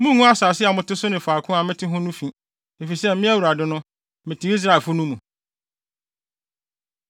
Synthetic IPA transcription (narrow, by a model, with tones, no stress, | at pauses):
mũ˦ŋũ˦a˦saː˨sɪ˦a˨mʊ̃˨tɪ˦sʊ˦nɪ̃˨faː˨kʰʊ̃˦a˨mɪ̃˦tʰɪ˦ɦʊ̃˦nũ˦fĩ˨ | e˨fi˨i˨sɛ˦mɪ̃˦æ˦wu˨ɾa˨dɪ˨nʊ̃˦ | mɪ̃˨tʰɪ˦i˦s̬ɾa˦˨e˨lfʊ˦nũ˦mũ˨